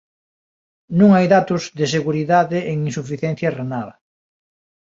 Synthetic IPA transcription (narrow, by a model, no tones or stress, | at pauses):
nũŋajðat̪ʊzðɪs̬eɣuɾiðaðeʔeŋinsufiθjɛn̟θjɐrenaðɐ